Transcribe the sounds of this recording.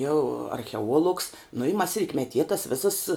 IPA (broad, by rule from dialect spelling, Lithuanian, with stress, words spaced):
jɛʊ ɐrʲxʲɛˈuɔlˠʊks nʊ ɪ mɐs rʲɪtʲmʲɛˈtʲiɛ tɐs ˈʋʲɪsɐs